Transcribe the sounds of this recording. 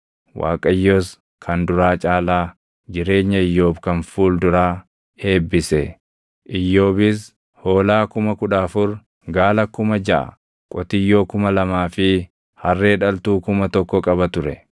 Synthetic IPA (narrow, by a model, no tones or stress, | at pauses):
wa̰ːkʼɐjːoːs | kʰɐnd̪ʊɾaːt͡ʃʼaːlaː | d͡ʒɪɾe̞ːɲːɐɪjːo̞ːbkɐnfuːld̪ʊɾaː | he̞ːbːɪsɛ | ʔɪjːo̞ːbɪs | ho̞ːlaːkʊmɐkʊᶑaːfʊɾ | ɡaːlɐkːʊmɐd͡ʒɐʔɐ̰ | kʼɔt̪ɪjːoːkʊmɐlɐmaːfɪ | hɐrːeːᶑɐlt̪uːkʊmɐt̪ɔkːɔkʼɐβɐt̪ʊɾɛ